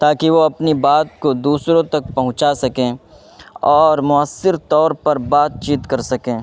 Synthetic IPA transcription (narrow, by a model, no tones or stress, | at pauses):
t̪aːkiʋoɐpnibaːt̪̚kod̪uːsɾõt̪ɐk̚pɐɦʊ̃t͡ʃasɐkẽː | ɔːɾmʊaːsːɪɾt̪ɔːɾpɐɾbaːt̪̚t͡ʃiːt̪kɐɾsɐkẽː